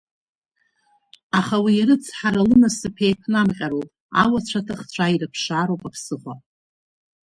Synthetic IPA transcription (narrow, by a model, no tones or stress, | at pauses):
aχawiaɾɨt͡sʰħaɾalɨnasɨpʰejpʰnamqʲʼaɾopʼ | a̰wat͡ɕʷʰatʰɨχt͡ɕʷʰairɨpʰʂaɾowpʼapʰsɨχʷa